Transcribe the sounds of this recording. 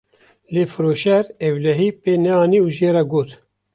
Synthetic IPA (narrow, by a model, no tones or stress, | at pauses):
leːfɨɾoːʃɛɾɛwlɛɦiːpeːnɛɑːniuːʒeːɾaɡoːt̪